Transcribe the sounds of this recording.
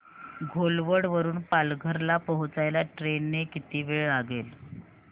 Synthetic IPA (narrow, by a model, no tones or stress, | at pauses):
ɡʱolʋəɽʋəɾuːnpalɡʱəɾlapəɦut͡sajljaʈɾenːekit̪iːʋeɭaɡel